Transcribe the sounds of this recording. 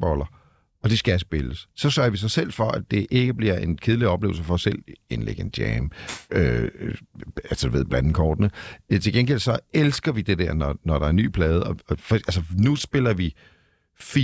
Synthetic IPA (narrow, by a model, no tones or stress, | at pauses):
b̥ɒlɐ | ɒ̽d̥esɡ̥æsb̥e̝ləssɒ̽sɶɐʋis̬ɑ̈ɪsel̰fɒ̽ʔæd̥e̝ʔe̝ɡ̥əb̥liɐ̰e̝nkʰe̝ðˠliɒ̽b̥le̝̰ʊlsəfɒ̽ɒsel̰enlḛɡ̥əend̥jɛ̰ːmø | ælsəd̥uʋe̝ð̰ˠb̥lænd̥n̩kʰɒːd̥nət͡sʰe̝lɡenɡ̥el̰sɒ̽elsɡ̥ɐʋid̥ed̥eɐnɒnɒɾɑ̈æɐny̰ːpʰlɛːð̞ˠəɒfælsənusb̥e̝lɐʋi | fi